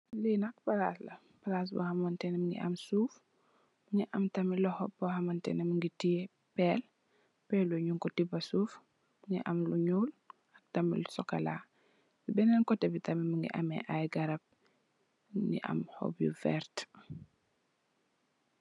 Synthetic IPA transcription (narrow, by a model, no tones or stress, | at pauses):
liːnɐk̚pɐlaslɐ | pɐlaːs̬bɔ̰hɐmɐntɛnɛməŋɡḭʔɐmsuːf | muŋiʔɐmtɐmilɔhɔp̚bɔhɐmɐntɛ̰nɛməŋɡiti | pɛːl | pɛluɲuŋkɔtibɐsuːf | məŋiʔɐmluɲuːl | ɐk̚tɐmilusɔkɐlaː | libɛnɛnkɔtɛbitɐmiməŋɡḭʔɐmɛ̰ʔajɡɐɾɐp̚ | nḭʔɐ̰mhɔ̰bjṵfɛ̰ɾt